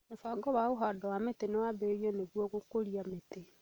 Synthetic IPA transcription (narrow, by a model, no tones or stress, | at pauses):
nefaɡɔβaoɦadɔwametenewabeɾiɔneɣwɔɣokoɾiamete